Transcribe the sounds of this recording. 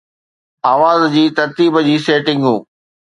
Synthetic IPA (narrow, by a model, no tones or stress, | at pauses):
aːʋaːzd͡ʑiːt̪ɐɾt̪iːbd͡ʑiːseːʈɪ̃ŋɡɦũː